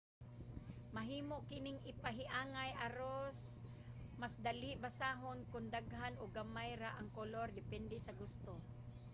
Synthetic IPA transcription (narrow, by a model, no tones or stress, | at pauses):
mɐɦiːmoʔkɪnɪŋʔɪpaɦɪʔaːŋajʔaɾos | masd̪ɐlɪʔbasaːɦonkʊnd̪aɡɦanoɡamajɾaʔɐŋkolo̞ɾd̪ɪpɛnd̪ɛsɐɡʊst̪o